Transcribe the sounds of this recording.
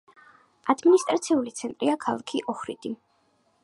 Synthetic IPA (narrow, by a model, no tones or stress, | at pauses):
ad̪minist̪ʼɾat̪sʰiulit̪sʰɛnt̪ʼɾiakʰalˠakʰiʔɔχɾḭd̪i